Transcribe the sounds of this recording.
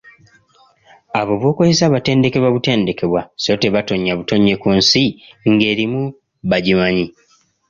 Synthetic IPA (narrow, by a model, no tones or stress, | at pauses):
aβo̞βwo̞ːkozesaβate̞ːnde̞ke̞βwaβute̞ːnde̞ke̞βwaseote̞βato̞ɲːaβuto̞ɲːe̞kunsiŋɡe̞ːɾimu | βaɟimaɲi